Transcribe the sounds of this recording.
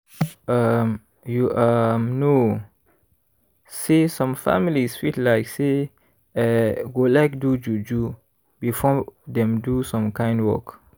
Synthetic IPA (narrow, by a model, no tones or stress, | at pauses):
ʔam | juʔamno | sesɔ̃mfa̰milisfitlaɪkse | ɛɡolaɪk̚dud͡ʒud͡ʒu | bifɔdɛ̃mdusɔ̃mkãɪ̃ndwɔ̰k